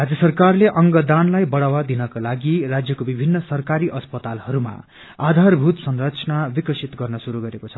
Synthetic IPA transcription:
rad͡zjʌsʌrkarleʔʌŋɡʌd̪anlajbʌɽawad̪inʌkolaɡirad͡zjʌkobibʱinːʌsʌrkaɾiʔʌspʌt̪alhʌɾuma̰ | ad̪ʱarbʱut̪sʌnrʌt͡sʰʌnabikʌsʰit̪ɡʌrnʌsuɾuɡʌɾekot͡sʰʌ̥

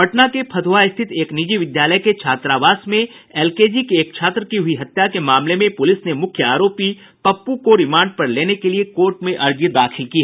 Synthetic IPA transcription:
ɐʈnakepʰɐd̪ʋaɪst̪ʰɪt̪eːknid͡ʒiʋɪd̪jaːləjket͡ʃʰaːt̪ɾaːʋaːsmẽ | ɛːlkeːd͡ʒikeːk̚t͡ʃʰaːt̪ɾəkiɦʊiɦɐt̪jakemaːmlemẽpʊlɪsnemʊkʰjəaːɾoːpi | pɐpːukoɾɪmãːɳɖ̚pɐɾleːnekeliekoːɾʈmẽʔɐɾd͡ʒid̪aːkʰɪlki

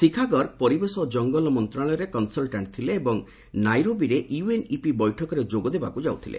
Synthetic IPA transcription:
sikʰaɡɔɾpɔɾibesɔd͡ʒɔŋɡɔlɔmɔnt̪ɾaɭɔjɔɾekɔnsɔlʈaɳʈt̪ʰileːbɔŋ | najɾobiɾeʔjuenipibɔjʈʰɔkɔɾed͡ʒoɡɔd̪ebakud͡ʒawt̪ʰilḛ

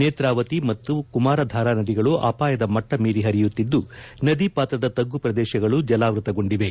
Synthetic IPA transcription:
neːt̪ɾaːʋɐt̪imɐt̪ːukumaːɾɐd̪ʱaːɾaːnɐd̪iɡɐɭuʔa̰ːpaːjɐd̪ɐmɐʈːɐmiːɾiɦɐɾijut̪ːid̪ːunɐd̪ipaːt̪ɾɐd̪ɐt̪ɐɡːupɾɐd̪ɛːʃɐɡɐɭud͡ʒɐlaːʋɾut̪ɐɡo̞ɳɖiʋe̞

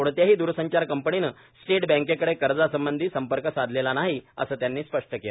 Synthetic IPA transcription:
oɽt̪jaɦiːd̪uɾsəɲt͡ɕaɾkəmpəɳinə | sʈeʈbɛ̃ŋkekəɽekəɾd͡zasəmbənd̪ʱiːsəmpəɾkəsad̪ʱlelanaɦiə̰səːt̪janːiːspəʂʈəkela

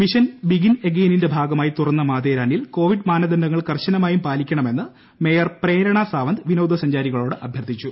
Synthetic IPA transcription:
miɕɐnbiɡineɡeːninde̞bʱaːɡɐmaːjit̪urɐnːɐmaːðeːɾaːɳijilko̞ːʋiɖmaːnɐd̪ɐndɐŋːɐɭkɐrɕɐnɐmaːjumpaːlikʲːɐɳɐme̞nːɨ | me̞ːjɐrpreːɾɐɳasaːʋɐnd̪ʋinɐwd̪ɐsɐɲd͡ʑaːɾiɣɐɭo̞ːɽɨʔɐbʱjɐrt̪it͡ɕːu

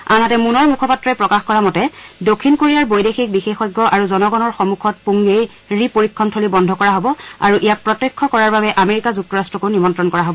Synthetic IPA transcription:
anatɛmunɔɹmukʰɔpatːɹɔɛpɹɔkaxkɔɹamɔtɛdokʰːinkoɹijaɹbojdexik̚bixexɔjɡːɔʔaɹuzɔnɔɡɔnɔɹxɔmukʰɔt̚puŋɡej | ɹipoɹikʰːɔntʰolibɔndʱɔkɔɹaɦobɔa̰ɹuʔijak̚pɹɔtːekʰːɔkɔɹaɹbabɛʔameɹikazuk̚tɔɹastɹɔkunimɔntɹɔnkɔɹaɦobɔ

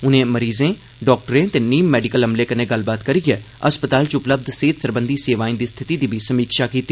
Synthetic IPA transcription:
ʊnẽːməɾiːzẽː | ɖɔːk̚ʈəɾẽːt̪eːniːmːɛːɖɪkəlɦəmleːkənẽːɡəlbaːt̪kəɾiːɛː | əspət̪aːlt͡ʃʊpləb̚d̪seːt̪səɾbənd̪iːseːʋaːĩnd̪iːst̪ʰɪt̪iːd̪iːbʱiːsəmiːkʃaːkiːt̪iː

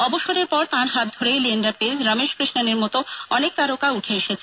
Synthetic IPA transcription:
ɔboʃoɾeɾpɔɾt̪ãɾɦat̪̚d̪ʱoɾejlienɖɾapiɾɾameʃkɾiʃnaneɾmɔt̪oɔnek̚t̪aɾokauʈʰeeʃet͡ɕʰe

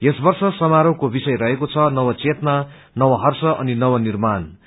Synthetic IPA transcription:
esbʌrsʌsʌmaɾʌwkobisʌjɾʌɦekot͡sʰʌnʌwʌt͡set̪na | nʌwʌɦʌrsʌʔʌninʌwʌnirman

